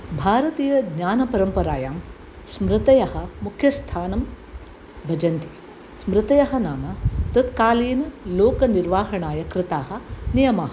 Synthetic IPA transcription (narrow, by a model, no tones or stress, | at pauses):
bʱaːɾɐt̪iːjɐd̪ɲaːnɐpɐɾɐmpɐɾaːjaːm | smɾɪt̪ɐjɐɦɐ̆mukʰjɐst̪ʰaːnɐm | bʱɐd͡ʒɐnt̪i | smɾɪt̪ɐjɐɦɐnaːmɐt̪ɐt̪kaːliːnɐloːkɐniɾʋaːɦɐɳaːjɐkɾɪt̪aːɦɐ̆nijɐmaːɦɐ